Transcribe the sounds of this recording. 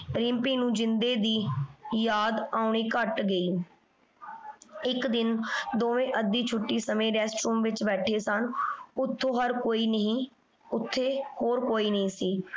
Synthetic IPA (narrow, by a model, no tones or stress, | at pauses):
ɾɪ̃mpiːnũːd͡ʒɪnd̪eːd̪iːjaːd̪aːʊɳiːkəʈɡəiː | ɪkd̪ɪnd̪oːʋẽːʔəd̪iːt͡ʃʰʊʈːiːsəmẽːɾɛːsʈɾuːmʋɪt͡ʃbɛːʈʰeːsənʊt̪ʰːõːɦəɾkoːiːnəɦĩː | ʊt̪ʰːeːhoːɾkoːiːnəɦĩːsiː